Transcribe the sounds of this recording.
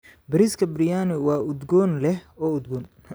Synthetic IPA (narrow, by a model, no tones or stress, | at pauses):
bɐɾiːskʰɐbrɪjaːnɪwɑːʊd̪ɡɔːnlɛhɔːʊd̪ɡɔːn